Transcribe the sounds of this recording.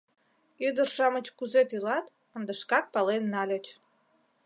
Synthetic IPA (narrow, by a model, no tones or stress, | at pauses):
yd̪ərʃɑmət͡ɕkuzet̪ylɑt̪ | ənd̪əʃkɑk̚pɑlenːɑlʲət͡ɕ